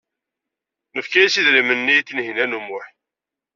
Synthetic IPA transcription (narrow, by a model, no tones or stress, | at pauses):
nəfkæjisiðɾimənːit̪ːinɦinænumʊħ